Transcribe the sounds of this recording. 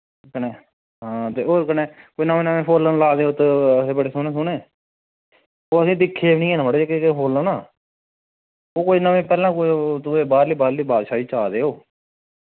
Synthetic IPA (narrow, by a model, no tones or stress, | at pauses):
kəneː | ɦãːt̪eːoːkəneːkoinəmẽːnəmẽːpʰoːlənlaːd̪eːoːt̪eəseːbəɽeːsʊnẽːsʊneː | oːəsĩːd̪ɪkʰːeːʋnĩːɦeːnãːbəɽeːekekɦoːlaːnaː | oːkoinəʋẽːpɛːlãːkot̪ʊeːbaːɾliːbaːɾliːbaːd̪ʃaːiːt͡ʃaːd̪eːoː